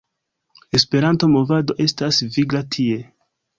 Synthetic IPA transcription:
e̞spe̞ɾanto̞mo̞vado̞ʔe̞stasviɡɾatʰie̞

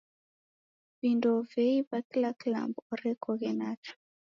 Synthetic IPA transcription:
vindovɛibaklakla̰mbɔɾɛkʰɔɣɛnat͡ʃu̥

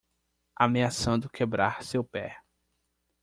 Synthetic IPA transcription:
ameasɐ̃nd̪ʊkʰebɾaɾsewpɛ

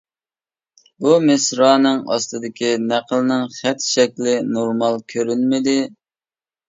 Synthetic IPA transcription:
bumɪsɾɑːnɨŋɑ̰st̪ɨd̪ɪkʲinæqəlˠɨnɨŋχɛt̪ʃɛkʲlɪnoɾmɑlˠkʲʰøɾynmɪd̪ɪ

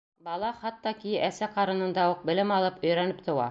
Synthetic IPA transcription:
bɑlˠɑχɑt̪ːɑkijɘʔæsæqɑɾɤ̆nɤ̆nd̪ɑuq̚bɘ̆lɘmɑlˠɤpɵ̆jɾænɘp̚t̪ŏwɑ̰

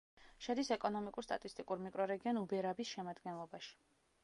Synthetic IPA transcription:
ʃɛd̪isɛkʼɔnɔmikʼuɾst̪ʼat̪ʼist̪ʼikʼuɾmikʼɾɔɾɛɡiɔnubɛɾabisʃɛmad̪ɡɛnlˠɔbaʃi̥

